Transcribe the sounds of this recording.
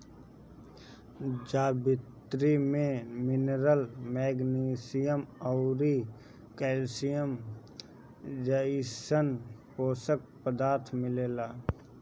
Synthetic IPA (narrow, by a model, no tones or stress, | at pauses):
d͡ʒaːbɪt̪ɾimẽmɪnɾəlmɛːɡniːsijəmɔʊɾi | kɛːlsijəm | d͡ʒəɪsənpoːsək̚pəd̪aːɾt̪ʰmɪleːlaː